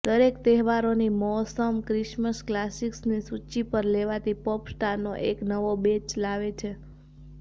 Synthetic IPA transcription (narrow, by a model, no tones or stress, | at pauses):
d̪əɾekt̪ɛɦʋaɾonimɔɦsəmkɾɪʃməsklasiksnisut͡ʃipəɾleʋat̪ipɔpsʈaɾnːoʔeknəʋobet͡ʃlaʋet͡ʃʰe